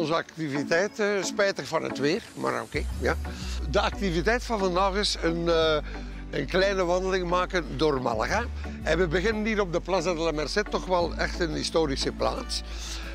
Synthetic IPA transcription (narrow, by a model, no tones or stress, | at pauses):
ɔnzəɑk̚tivitɛjtəspɛjtəkvɑnɦə̰tʋeːrma̰ːro̰keːjaːdəɑk̚tivitɛjtfɑnvɑndaːɣɪsən | ənklɛjnəʋɑndəlɪŋmaːkəndoːrmɑ̰lˠa̰ɣa | ɛnʋəbəɣɪnənɦiːɾɔb̚dəplazɛdəlamɛrsɪtːɔxʋɛlˠɛxtənɦistoːɾisəpla̰ːts